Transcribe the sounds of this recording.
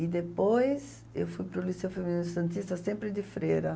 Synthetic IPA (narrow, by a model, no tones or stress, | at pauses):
ɪd̪epojs | ḛwfujpɾʊlisewfemĩnĩʊsɐ̃nt̪ist̪ɐsẽmpɾɪd̪ɪfɾejɾɐ